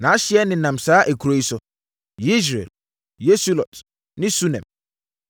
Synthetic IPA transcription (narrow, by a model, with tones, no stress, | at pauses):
nã˨˦a˦ɕɪ˦ɛ˦nɪ̃˨nã˨msaː˨˦ʔæ˨kʰu˨ɾo˨i˦sʊ˦ | ji˦s̬ɾḛ˨l | je˦su˦lɔ˨t | nɪ̃˦su˦nɛ̰̃˨m